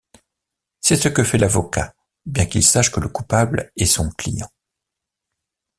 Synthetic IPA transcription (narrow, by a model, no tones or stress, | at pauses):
sɛsəkəfɛlavɔka̰ | bjɛ̃kilsaʃkələkupablɛsɔ̃klijɑ̰̃